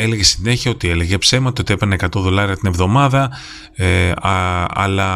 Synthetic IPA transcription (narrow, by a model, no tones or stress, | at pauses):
ele̞ɣe̞siine̞çiɐot̪ieleɣepse̞mɐt̪ot̪ie̞peneekɐt̪o̞ðo̞lɐɾiɐt̪ine̞vðo̞mɐðɐ | eɐɐ̰lɐ